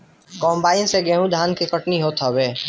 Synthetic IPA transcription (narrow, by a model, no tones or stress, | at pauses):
kɔːmbaːɪnseɡɛ̃ːɦũd̪ʱaːnkikəʈniɦoːt̪ɦobeː